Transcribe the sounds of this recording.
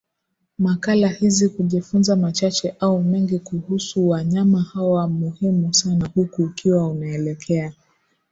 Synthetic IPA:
makalahizikuʄifunzamat͡ʃat͡ʃɛʔaumɛŋɡikuhusuwaɲamahawamuhimusanahukuːkiwaunaɛlɛkʰɛa

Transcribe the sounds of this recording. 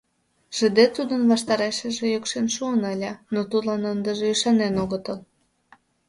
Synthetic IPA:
ʒ̥ə̆d̪et̪ud̪ənβɑʃt̪ɑɾeʃə̆ʒĕjokʃenʃuənəlʲɑnot̪ud̪lɑnənd̪ə̆ʒeyʃɑnenoɣət̪əl

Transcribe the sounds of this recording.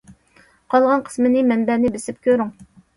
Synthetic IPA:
qʰɑlˠʁɑnqʰə̥smɨnɪmɛnbɛnɪbɪsɪp̚kʲʰøɾyŋ

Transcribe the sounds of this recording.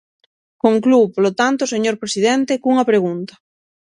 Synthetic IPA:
koŋkluwpolot̪ant̪oseɲoɾpɾesiðent̪ekuŋɐpɾeɣ̞unt̪ḁ

